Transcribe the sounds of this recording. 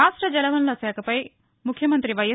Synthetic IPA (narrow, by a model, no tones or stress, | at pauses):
aːʂʈɾɐd͡ʒɐlɐʋɐnlɐsaːkʰɐpɐj | mukʰjɐmɐnt̪ɾiʋɐjɐ